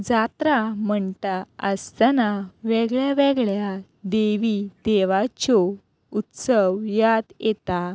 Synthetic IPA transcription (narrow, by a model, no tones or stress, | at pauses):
d͡zat̪ɾam̤əɳtaəst̪anaʋɛɡɭjaʋɛɡɭja | d̪eʋid̪eʋat͡ɕɔ | ut̪səʋjad̪jet̪a